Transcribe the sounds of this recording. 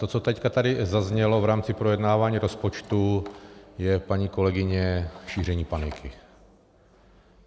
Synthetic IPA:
t̪ot͡sot̪ɛckat̪adɪzazɲɛlo̞vɾaːmt͡sɪpɾojɛdnaːvaːɲiːɾo̞spo̞t͡ʃt̪u | jɛpaɲiːko̞lɛɡɪɲɛʃiːr̝ɛɲiːpanɪkʰɪ

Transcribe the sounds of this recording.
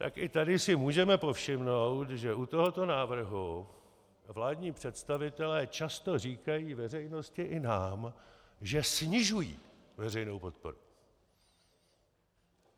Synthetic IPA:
t̪a̰kʔɪt̪adɪsɪmuːʒɛmɛpo̞fʃɪmno̞wt̪ʒɛʔut̪o̞ɦo̞t̪o̞naːvr̩ɦu | vlaːdɲiːpr̝̥ɛt̪st̪avɪt̪ɛlɛːt͡ʃast̪o̞riːkajiːvɛrɛjno̞scɪʔɪnaːmʒɛsɲɪʒujḭːvɛrɛjno̞wpo̞t̪̚po̞̰ɾu

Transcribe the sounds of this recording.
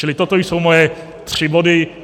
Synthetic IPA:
ɪlɪt̪ot̪ojsowmojɛ | t̪r̥ɪbodɪ

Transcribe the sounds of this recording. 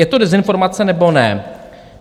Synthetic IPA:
jɛt̪o̞dɛzɪnfo̞ɾmat͡sɛnɛbo̞nɛ

